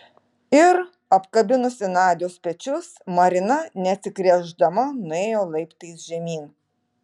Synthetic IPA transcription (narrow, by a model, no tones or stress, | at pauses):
ɪɾ | ɐpkɐbʲɪnʊsʲɪnɑːd̪ʲɪjoːspʲɛt͡ʃʲʊsmɐɾʲɪnɐnʲɛɐt̪sʲɪkɾʲɛʒd̪ɐmɐnʊeːjoːlˠɐɪpt̪ɐɪsʒʲɛmʲiːn